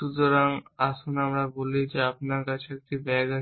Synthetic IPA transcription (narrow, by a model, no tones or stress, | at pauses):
ud̪oɾaŋasunamɾabolid͡ʑeapnaɾkat͡ʃʰek̚t̪ibɛɡə